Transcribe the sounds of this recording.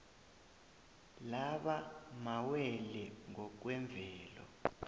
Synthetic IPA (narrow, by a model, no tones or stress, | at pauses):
laɓamawɛlɛŋɔk̬wɛɱb̪vʱɛːlɔ̰